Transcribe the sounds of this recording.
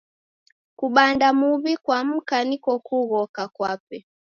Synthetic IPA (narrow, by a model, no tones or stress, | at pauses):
kuɓandamuβikwam̩kanikɔkuɣɔkakwapɛ